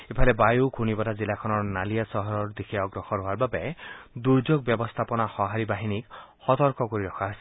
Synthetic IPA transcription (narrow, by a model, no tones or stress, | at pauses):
epʰalebajukʰunibɔtazilakʰɔnɔɹnalijasɔɦɔɾɔɹd̪ikʰeɔɡɾɔxɔɾɦoaɾbabed̪uɾd͡ʒoɡ̚bjɔbɔst̪ʰapɔnahɔɦaɾibaɦinikhɔt̪ɔɾkɔkoɾiɾɔkʰaɦasi